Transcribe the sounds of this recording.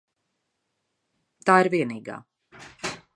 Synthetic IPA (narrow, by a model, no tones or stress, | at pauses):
t̪aːiɾviɛniːɡa̰ː